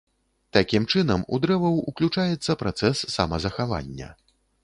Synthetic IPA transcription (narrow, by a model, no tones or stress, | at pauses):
t̪akʲimt͡ʂɨnɐmṵd̪ɾɛvɐwuklʲut͡ʂajɛt̪sːɐpɾʔat̪sɛsːamɐzɐxava̰nʲːɐ̰